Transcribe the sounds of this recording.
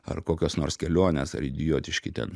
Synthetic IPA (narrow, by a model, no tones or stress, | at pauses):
ɐ̰rkoːkʲoːsnoːrskʲɛlʲoɔnʲeːsɐ̰ɾɪd̪ʲɪjoːt̪ʲɪʃʲkʲɪt̪ʲɛ̰n